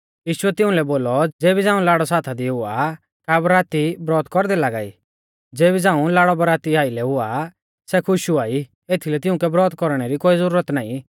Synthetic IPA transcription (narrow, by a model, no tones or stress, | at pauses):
jiːʃʊɛt̪ɪ̃ʊ̃lɛboːlɔd͡zeːbid͡zãːũlaːɽɔsaːt̪ʰad̪iɦʊa̰ | kabɾaːt̪ibɾɔːt̪kɔɾd̪ɛlaːɡa̰ːḭ | d͡zeːbid͡zãːũlaːɽɔbɾaːt̪iaːilɛɦʊa | sɛkʰʊʃuaːi | eːt̪ʰilɛt̪ɪʊ̃kɛbɾɔːt̪kɔɾɽ̃ɛɾikoːizəɾuːɾət̪naːĩ